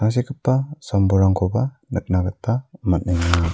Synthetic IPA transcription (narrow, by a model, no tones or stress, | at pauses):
aŋs̬ikəpːasambuɾaŋkʰoba | nək̚nakat̪amanəɲa